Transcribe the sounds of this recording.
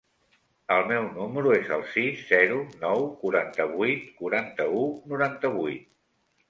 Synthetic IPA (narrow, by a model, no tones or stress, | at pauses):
əlˠmɛwnuməɾuezə̰lˠsizːɛɾunɔwkuɾant̪əβujt̪kuɾant̪əunuɾant̪əβujt̪̚